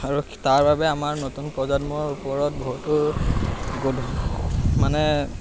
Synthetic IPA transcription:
aɹutaɹbabɛamaɹnotunpɹɔzadmɔɹupɔɹɔt̚bɔɦutʊ | ɡol | manɛ

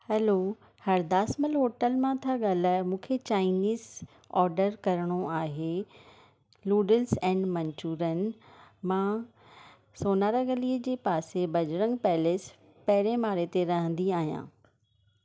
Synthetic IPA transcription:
hɛloː | hɐɾd̪aːsməlɦoːʈəlmãt̪ʰaɠaːlaːmũːkʰet͡ɕaːɪniːz | ɔːɾɖəɾkɐɾəɽ̃oaːɦe | luːɖəlsɛ̃ːɳɖmɐɲt͡ɕuːɾənɪ̆mãː | soːnaːɾaɡɐliəd͡ʑeːpaːsebɐd͡ʑɾə̃ŋɡ̚pɛɦles | pɐɦɪɾemaːɾet̪eɾɐɦə̃nd̪iaːɦijã̰ː

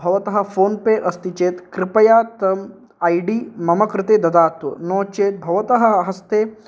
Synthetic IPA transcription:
bʱɐʋɐt̪ɐɦɐ̆fʰoːnpeʔɐst̪it͡ʃeːt̪kɾɪpɐjaːt̪ɐm | aːjɖiːmɐmɐkɾɪt̪eːd̪ɐd̪aːt̪ʋɐnɔːt͡ʃeːt̪̚bʱɐʋɐt̪ɐɦɐɦɐst̪eː

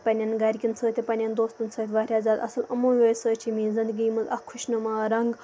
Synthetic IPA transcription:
pɐnʲɐnɡɐɾʲkʲint͡sʰəːt̪ʰʲipɐnʲɐnd̪oːst̪ɨnt͡sʰəːt̪ʰʲʋaːɾʲjaːzaːd̪ɐ̰sɨlɐmõːʋoːjsəːt͡ʃʰimĩːzind̪əɡimɨzɐ̰kʰːʊʃnɨmaːɾɐŋɡ

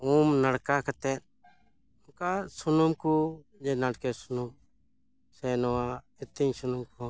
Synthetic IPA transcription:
uːmnəɽkaːkət̪eː | ʊkaːsʊnʊmkuː | d͡ʒeːnəɽkeːsʊnum | seːnoːaː | ɪt̪ĩŋsʊnʊmkoː

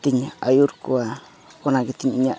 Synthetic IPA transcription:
t̪iɲaajuɾkua | konãkit̪iɲiɲã

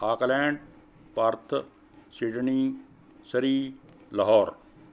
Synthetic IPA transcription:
aːklɛ̃ːɳɖ | pɐɾt̪ʰ | siɖniː | sɐɾiː | lɐɦɔːɾ

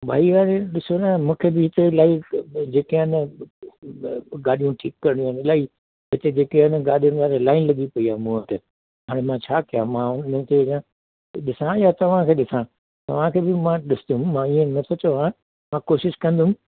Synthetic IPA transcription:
bʱaːiaːɾeɗɪsonamũːkʰebɪɦɪt̪elaːid͡ʑeːkenɐ | ɡaːɗijũʈʰḭːkːɐɾɪɳĩanɪlaːi | ɦɪt̪ed͡ʑeːkenɡaːɗijʊnaːɾelaːɪnlɐɠipɐiaːmũt̪e | ɦaːɽ̃emãt͡ɕʰaːkijãmãʊnət̪ʰeã | ɗɪsãjat̪ɐʋ̤ãkʰeːɗɪsã | t̪ɐ̰ʋ̤ãkʰeːbɪmãɗɪsɪ̥ʊmːãiẽnɐt̪ʰot͡ɕoãː | mãkoːʃɪʃkɐ̃nd̪ʊm

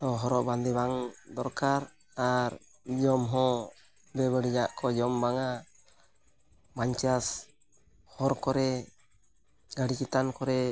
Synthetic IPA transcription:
ɔɦɔɾɔʔband̪ɛbaŋd̪ɔɾkaɾ | aɾ | d͡ʒɔmɦɔ̃ | bɛbəɽid͡ʒaʔkɔd͡ʒɔmbaŋa | baɲt͡ʃas | hɔɾkɔɾɛ | ɡaɽikɛt̪ankɔɾɛ

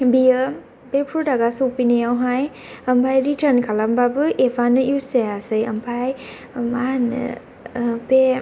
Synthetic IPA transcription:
bijɯ | pepʰɾudaɡasuk̚pinejawɦaj | ɐmpʰajɾitʰəɾnkʰalambabɯʔepʰanɯuseasɯjɐmpʰaj | manɯ̰ | pe

